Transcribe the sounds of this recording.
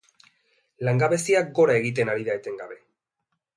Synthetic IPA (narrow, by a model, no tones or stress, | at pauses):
laŋɡaβe̞siak̚ɡo̞ɾae̞ɣ̞it̪̬e̞naɾiðaet̪e̞ŋɡaβe̞